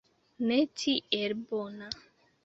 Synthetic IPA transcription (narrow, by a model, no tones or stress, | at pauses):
netʰieɾbɔna